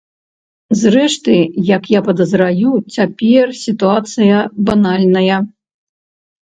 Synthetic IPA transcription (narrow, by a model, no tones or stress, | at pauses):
zrɛʂt̪ɨjɐkjapɐd̪ɐzɾajut͡sʲapʲɛrsʲit̪uat̪sɨjɐbanalʲnɐjɐ